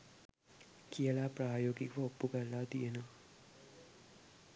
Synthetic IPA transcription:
kʰijəlaːpraːjoːɡikəʋəopːukəlːat̪ijenəʋa

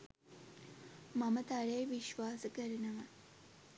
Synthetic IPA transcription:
mɐmət̪aɭejʋiʃʋaːsəkəɾinəʋɐ

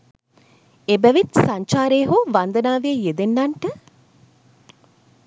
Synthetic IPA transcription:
ebæʋit̪saɲt͡ʃaːɾeːɦoʋand̪ənaːʋeəjed̪enːaɳʈə

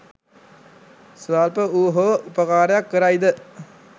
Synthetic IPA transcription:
sʋaːlpəuːɦoupəkaːɾəjakːəɾaid̪ə

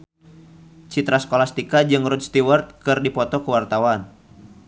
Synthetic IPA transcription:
t͡ʃit̪ɾaskɔlast̪ikad͡ʒɨŋrud̪̚st̪iwərt̪̚kɨrdipɔt̪ɔkəwart̪awan

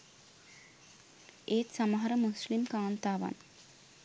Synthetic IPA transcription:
eːt̪saməɦɐɾəmuslimkaːnt̪aːʋa̰n

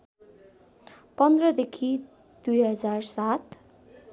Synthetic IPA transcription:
pʌnd̪rʌd̪ekʰi | d̪̥ujɦʌd͡zarsat̪

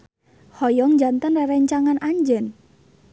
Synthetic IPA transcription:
hɔjɔŋd͡ʒant̪ənraɾɛɲt͡ʃaŋanʔaɲd͡ʒən

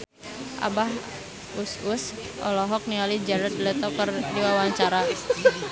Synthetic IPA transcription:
ʔa̰baɦ | ususʔɔ̰lɔɦɔk̚nialid͡ʒɛɾəd̪̚lət̪ɔkərdiwawaɲt͡ʃaaɾa

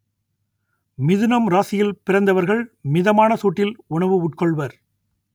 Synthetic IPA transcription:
mɪðɯnɐmɾaːsɪjɪlpɪrɐnd̪ɐʋɐɾɣɐɭmɪðɐmaːnɐsoːʈːɪlʊɳɐʋɯʊʈ̚kɔɭʋɐɾ

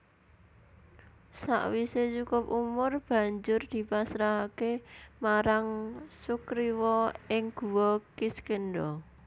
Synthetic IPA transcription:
sa̰ʔwiset͡ʃukʊp̚umʊrb̥ä̤ɲd͡ʒʊrd̪̥i̤pasɾaɦakemaɾaŋsukɾiwɔɪŋɡ̥ṳwɔkiskənɖɔ

